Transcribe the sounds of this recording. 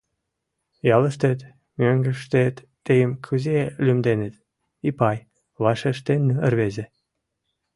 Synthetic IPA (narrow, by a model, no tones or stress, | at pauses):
jɑləʃt̪et̪ | møŋɡə̆ʃt̪et̪ː | ejəmkʰuzelymd̪enĕt̪ | ipɑj | βɑʃeʃt̪enːyərβezĕ